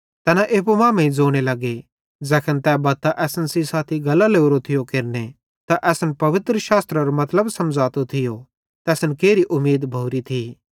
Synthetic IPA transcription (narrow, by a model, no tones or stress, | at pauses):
t̪ɛːnaʔeːp̬omãːmẽĩd͡zoːɽ̃elɐɡe | d͡zɛːkʰənt̪ɛːbɐt̪aʔɛːsənsisaːt̪ʰiɡɐlːaleːuɾot̪ʰɪjokeɾne | t̪aʔɛːsənpɐʋɪt̪ɾəʃaːst̪ɾaɾomɐt̪ləbsɐmd͡zaːt̪ot̪ʰɪjo | t̪ɛːsnkeːɾiʔʊmːeːd̪bʱoʊɾit̪ʰiː